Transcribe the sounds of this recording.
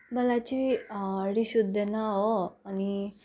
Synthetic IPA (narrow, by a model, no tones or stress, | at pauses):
bɐlat͡ʃiiɐɽiʃud̪ʱːenaoɐni